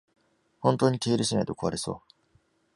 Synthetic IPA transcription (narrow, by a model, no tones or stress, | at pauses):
hõnt̪o̞ːɲ̟it̪eiɾɯ̟ɕina̰it̪o̞̥̰ko̞aɾeso̞̰ː